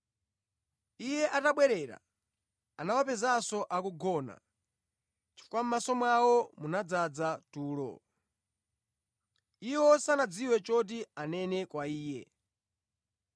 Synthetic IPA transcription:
ijɛʔataɓwɛɾɛːɾa̰ | anawapɛzasɔʔakuɡɔːna̰ | t͡ʃi̥fukwamumasɔmwawɔmunad͡zad͡zatuːlɔ̰ | iwɔsanad͡ziwɛt͡ʃɔt̬ianɛnɛkwaiːjɛ̰

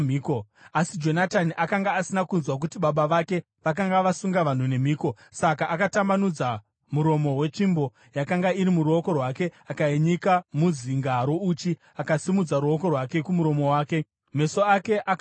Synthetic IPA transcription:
miːkoasid͡ʒo̞nataniʔakaŋɡaːsinakunzwak̬utiɓaɓaʋake̞ | ʋak̬aŋɡaʋasuŋɡaʋan̤une̞miːko̞ | sakaʔːkatamanud͡za | muɾo̞mo̞we̞t͡ʃimbo̞ | jakaŋɡaiɾimuɾuo̞ko̞rwake̞akaeɲikamuziŋɡaɾo̞ut͡ʃi | akasimud͡zaɾuo̞ko̞rwake̞kumuɾo̞mo̞waːke̞ | me̞so̞ake̞ʔak

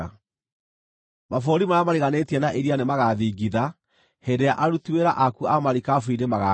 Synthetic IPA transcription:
mafoɾimaɾamaɾeɣanetiɛnaʔeɾianemaɣaðiɡiða | hedeaʔaɾutiweɾaʔakuamaɾikafwidemaɣa

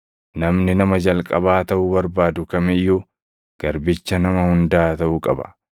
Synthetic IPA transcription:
nɐmnɪnɐmɐd͡ʒɐlkʼɐbaːt̪ɐʔʊbɐɾbaːd̪ʊkɐmɪjːo | ɡ̥ɐɾbɪt͡ʃːɐnɐmɐhʊnd̪aːt̪ɐʔʊkʼɐbɐ̥̰

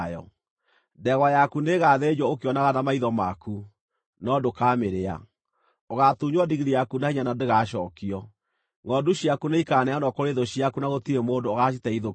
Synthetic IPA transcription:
jɔ̰ | ndɛɣwajakuneɣaðed͡ʒwɔokeɔnaɣanamaiðɔmaku | nɔdokameɾea̰ | oɣatuɲwadiɣiɾijakunaiɲanadeɣaɕɔːkiɔ | ŋɔduɕjakuneikanɛanɔkoɾeðɔɕiakunaɣotiɾemoːndoɔɣaʃitɛiðo

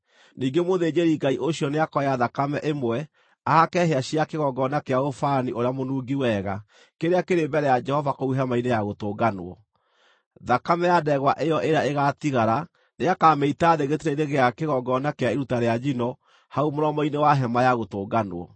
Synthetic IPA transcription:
niːŋɡemoðed͡ʒeɾiɡaiʔoɕjɔneakɔjaðakamɛʔemwɛ | ahakɛɦeaɕiakeɣɔɡɔnakeaofaniʔoɾeamonuːɡiwɛɣa | keɾeakeɾembɛɾɛjad͡ʒɛhɔvakouɦamainejaɣotoːɡanwɔ̰ | ðakamɛjadɛɣwaʔejɔʔeɾaeɣatiɣaɾa | neakaːmeitaːðeɣetiɾeineɣeakeɣɔɡɔnakeaeɾutaɾead͡ʒinɔ | haumoɾɔmɔinewaɦɛmajaɣotoːɡanwɔ̰

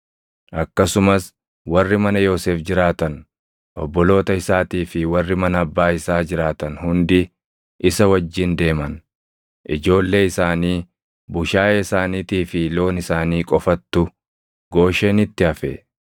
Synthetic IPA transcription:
ʔɐkːɐsʊmɐs | wɐrːɪmɐnɐjo̞ːseːfd͡ʒɪɾaːt̪ɐn | ʔɔbːɔlo̞ːt̪ɐɪsaːt̪iːfɪwɐrːɪmɐnɐɐbːaːɪsaːd͡ʒɪɾaːt̪ɐnhʊnd̪ɪ | ʔɪsɐwɐd͡ʒːɪnd̪e̞ːmɐn | ʔɪd͡ʒo̞ːlːe̞ːɪsaːniː | bʊʃaːjɐɪsaːniːt̪iːfɪlo̞ːnɪsaːniːkʼɔfɐt̪ːʊ | ɡo̞ːʃeːnɪt̪ːɪɐfḛ

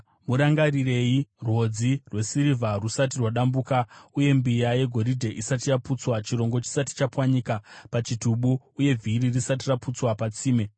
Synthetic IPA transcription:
muɾaŋɡarire̞jirwo̞d͡zirwe̞siɾivʱarusat̬irwaɗambukauje̞mbijaje̞ɡʱo̞ɾidʱe̞ʔisat̬ijaput͡swat͡ʃiɾo̞ŋɡo̞t͡ʃi̥sati̥t͡ʃapwaɲikapat͡ʃituɓuːje̞vʱiɾirisat̬iraput͡swapat͡siːme̞

